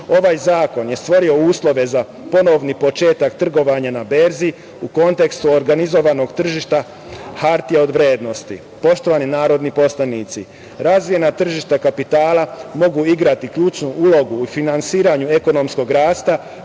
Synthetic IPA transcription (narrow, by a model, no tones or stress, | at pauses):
o̞ʋajzaːko̞nje̞st̪ʋo̞ɾio̞uːslˠo̞ʋe̞za | po̞no̞ʋnipo̞t͡ʃe̞ːt̪akt̪r̩ɡo̞ʋaɲanabe̞ɾzi | uko̞nt̪e̞kst̪uoɾɡanizo̞ʋano̞ɡt̪r̩ʒiʃt̪a | haɾt̪ijeo̞d̪ʋɾʲjeːd̪no̞st̪ḭ | po̞ʃt̪o̞ʋaːninaːɾo̞d̪nipo̞slanit̪si | ɾazʋije̞nat̪r̩ʒiʃt̪akapit̪aːlamo̞ɡuiɡɾat̪ikʎuːt͡ʃnuulo̞ɡuːfinansiːɾaɲue̞ko̞no̞msko̞ɡɾaːst̪a